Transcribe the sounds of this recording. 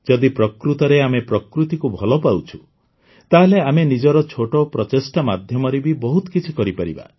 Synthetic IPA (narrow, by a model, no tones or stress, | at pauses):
d͡ʒɔd̪ipɾɔkɾut̪ɔɾeamepɾɔkɾut̪ikubʱɔlɔpawt͡ʃʰu̥ | t̪aɦeleamenid͡ʒɔɾɔt͡ʃʰoʈɔpɾɔt͡ʃesʈamad̪ʱjɔmɔɾebibɔɦut̪ɔ̥kit͡ʃʰikɔɾipaɾiba̰